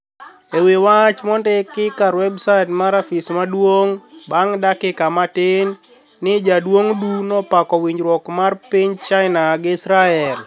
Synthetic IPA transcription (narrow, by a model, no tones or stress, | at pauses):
ewewat͡ʃmɔndɛkːɪkaɾwɛbsatmaɾafismadwoŋbaŋdakɪkamatɪnː | ɪd͡ʒadwoŋdunɔpakɔwiɲd͡ʒɾwɔkmarpiɲt͡ʃaɪnaɡɪsɾaɛl